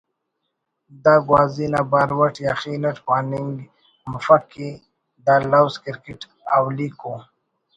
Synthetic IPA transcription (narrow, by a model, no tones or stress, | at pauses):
d̪aɡwɑːzinabaɾwaʈjaxinaʈpaniŋɡ | mʊfaki | d̪alawskɪɾkɪʈ | awliko